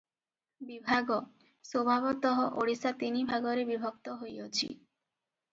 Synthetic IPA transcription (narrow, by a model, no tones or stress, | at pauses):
bibʱaɡo | sobʱabot̪ɔɦoʔoɽisat̪inibʱaɡoɾebibʱokt̪oɦojot͡ɕʰḭ